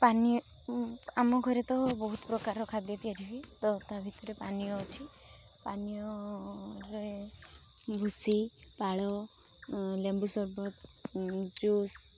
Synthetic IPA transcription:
paniɔ | amɔɡʱɔɾet̪ɔbɔɦut̪pɾɔkaɾɔkʰad̪jɔt̪ijaɾibit̪ɔt̪abʱit̪ɔɾepanijɔt͡ʃʰi | panijɔ | ɾe | bʱusipaɭɔ | lembusɔɾbɔt̪ | d͡ʒus

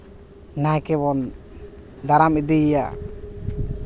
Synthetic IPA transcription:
najkɛβɔn | d̪aɾamid̪ija̰

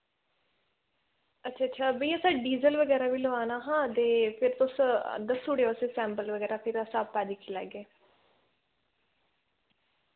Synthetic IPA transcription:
ətːʃʰaːtːʃʰaːbiːəsãːɖiːzəlʋəɡɛːɾaːʋiːloaːnaːɦãːt̪eːpʰɪɾt̪ʊsd̪əsuːɽeoseːsɛ̃ːmpəlʋəɡɛːɾaːpʰɪɾəsãːpɛːd̪iːkʰilɛ̰ːɡeː

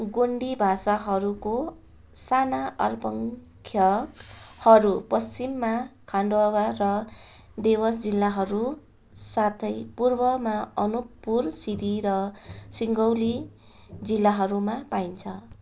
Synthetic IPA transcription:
ɡoɳɖibʱasaɦʌɾuko | sanaʔʌ̰rpʌŋ | kʰjʌkhʌɾupʌst͡simːakʰaɳɖowarʌ | d̪ewʌsd͡zilːaɦʌɾu | sat̪ʰʌjpurbʌmaʌnupːursid̪ʱiɾʌsiŋɡʌwli | d͡zilːaɦʌɾumapaint͡sʰʌ

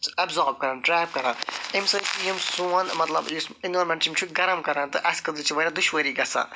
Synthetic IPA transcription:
ɐbzaːɾb̚kɐɾãːnʈɾɛːp̚kɐɾãnimsɐt͡ʃijimsuɐnmɐt̪lɐ̰busɪnɐːɾmɐ̃nʈt͡ʃimt͡ʃʰuɡɐɾɐmkɐɾãːnt̪ɨʔɐskɐd̪ut͡ʃʰiʋɐɾad̪uʃʋəɾiːɡɐsa̰ː

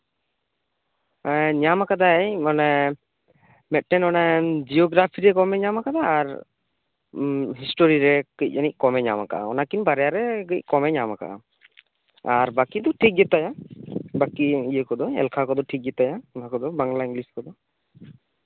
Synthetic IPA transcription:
aɲamakad̪ajmana | mɛʈɛnɔnad͡ʒiɔɡɾapʰiɾɛkɔmɛɲamakad̪aːɾ | ɦisʈoɾiɾɛkic̚ˀanickɔmɛɲamaka̰a̰ɔnakinbaɾɛjaɾɛɡəc̚kɔmɛɲamaka̰ | aɾbakid̪ɔʈʰik̚ɡɛt̪ajabakiijəkɔd̪ɔɛ̰lkʰakɔd̪ɔʈʰik̚ɡɛt̪ajaɔnakɔd̪ɔbaŋlaiŋɡliskɔd̪ɔ

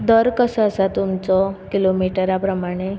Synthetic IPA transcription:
d̪əɾkəsaəsat̪umt͡sɔkilomiʈəɾapɾəmaɽ̃e

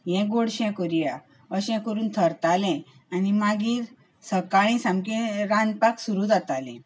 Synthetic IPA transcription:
jɛ̃ɡoɽɕɛ̃kɔɾija | əɕɛ̃kəɾuːnt̪ʰəɾt̪alɛ̃ | animaɡiːɾ | səkaɭ̃ĩsãmkɛ̃ɾanpaksuɾud͡zat̪alɛ̰̃

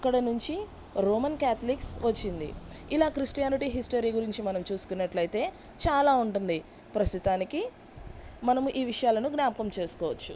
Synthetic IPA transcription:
ɐkːɐɽɐnuɲt͡ʃi | ɾoːmɐnkaːt̪ʰɐliksʋɐt͡ʃːind̪ḭilaːkɾisʈijaːniʈiɦisʈɐɾiːɡuɾiɲt͡ʃimɐnɐmt͡ʃuːsu̥kunːɐʈlɐjt̪e̞ː | t͡ʃaːlaːuɳʈund̪i | pɾɐst̪it̪aːniki | mɐnɐmʔiːʋiʂɐjaːlɐnuɡnaːmɐkɐmt͡ʃe̞ːsu̥kɔːʋɐt͡ʃːu

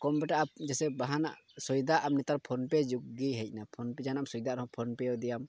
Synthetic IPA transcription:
kɔmbɛʈaʔad͡ʒɛsɛbaɦana̰ʔsɔjd̪aʔamnit̪aɾpʰɔnpɛd͡ʒuɡːiɦɛc̚ˀnapʰɔnpɛd͡ʒanamsɔjd̪aʔɾɔɦɔ̃pʰɔnpɛɔd̪ijam

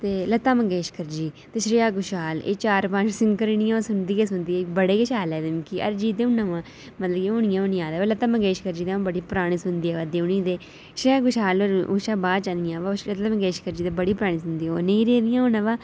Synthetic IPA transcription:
t̪eːlət̪aːməɡeːʃkəɾd͡ʒiːt̪eːʃɾɪjaːɡʊʃaːlḛːt͡ʃaːɾpə̃nt͡ʃsɪŋkəɾɪñɪjãːʋ̃ːsʊnd̪iːeːsʊnd̪iːɛːbəɽeːɡəʃaːlɛːd̪emkiːə̰ɾd͡ʒiːd̪eːʊnãːʋãː | mət̪ləkeoɳɪjãːʊnɪjãːd̪eːʋaːlət̪aːməɡeːʃkəɾd͡ʒiːd̪eːãbəɽiːpɾaːɽ̃iːsʊnd̪iːɛːʋaːd̪eːunĩːd̪eː | ʃɾɪjaːɡʊʃaːloɾṵːʃaːbaːt͡ʃanɪjãːʋaːʃət̪aməɡeːʃkəɾd͡ʒiːt̪eːbəɽiːpɾaːɽ̃iːsʊnd̪iːɛneĩɾeːnɪjãːʊnãːʋaː

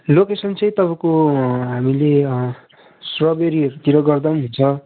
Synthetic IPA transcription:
lokesʌnt͡sʌ̃j̃t̪ʌbʌ̃koɦamile | srʌbeɾiʌɾut̪iɾʌɡʌrd̪anɦunt͡sʰʌ

